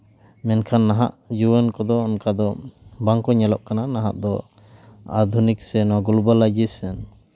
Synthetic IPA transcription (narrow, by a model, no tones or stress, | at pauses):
mɛnkʰanːaɦaʔjuwənkɔd̪ɔɔnkad̪ɔbaŋkɔɲɛlɔʔkananaɦa̰ʔd̪ɔ | a̰d̪ʱuniksɛnwaɡulbalad͡ʒisɛn